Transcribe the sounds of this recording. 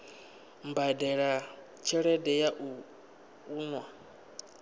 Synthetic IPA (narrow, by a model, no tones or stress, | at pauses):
m̩badɛɺa | t͡ʃʰɛɺɛdɛjaʔu | uːnwa